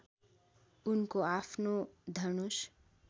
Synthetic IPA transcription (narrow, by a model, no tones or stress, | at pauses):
unkoapʰnod̪ʱʌnus